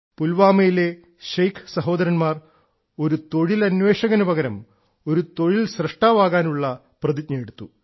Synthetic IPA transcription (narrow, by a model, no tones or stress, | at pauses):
pulʋaːmejile | ʃɐjkʰsɐɦo̞ːd̪ɐɾɐnmaːr | o̞ɾut̪o̞ɻilɐnʋe̞ːʂɐɣɐnubɐɣɐɾɐm | o̞ɾut̪o̞ɻilsrɐʂʈaːʋaːɣaːnuɭːɐ | prɐd̪id̪̚ɲɐjeɽut̪ːu